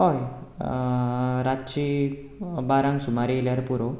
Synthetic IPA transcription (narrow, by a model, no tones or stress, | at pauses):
ɦoj | ɾatt͡ɕi | baɾãŋsumaɾieljaɾpuɾo